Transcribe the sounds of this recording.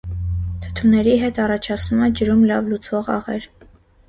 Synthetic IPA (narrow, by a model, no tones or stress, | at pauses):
t̪ʰə̥t̪ʰunɛɾiɦɛt̪ɑrɑt͡ʃʰɑt͡sʰnumɛd͡ʒəɾumlɑvlut͡sʰvɔʁɑ̰ʁɛ̰ɾ